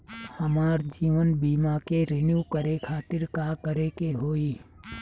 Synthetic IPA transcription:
həmaːɾd͡ʒiːʋənbiːmakeɾɪnjuːkəɾekʰaːt̪ɪɾkakəɾekeɦoːiː

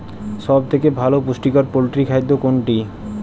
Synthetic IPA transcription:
ʃɔbt̪ʰekebʱalopusʈikaɾpolʈɾikʰajd̪ʱːokoɳʈi

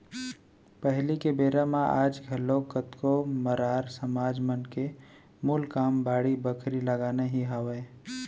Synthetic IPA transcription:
pəɦlikebeːɾamaʔaːd͡ʒɡʱəlokət̪koməɾaːɾsəmaːd͡ʒmənke | mʊlkaːmbaːɽibəkʰɾiləɡaːneɦiɦaweː

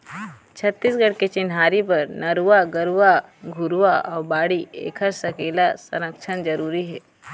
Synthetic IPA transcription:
t͡ʃʰɐt̪ːiːsɡɐɽket͡ʃɪnɦaːɾipɐɾnɐɾuʋaɡɐɾuʋaɡʱʊɾʋaʔɔːɾbaːɽiḛːkʰəɾsɐkeːlasɐ̰nəkt͡ʃʰənd͡ʒɐɾuːɾiɦɛː

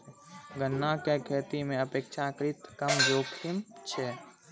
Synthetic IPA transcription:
ɡənːakekʰet̪imẽəpekt͡ʃʰakɾit̪kəmd͡ʒoːkʰimt͡ʃʰɛ

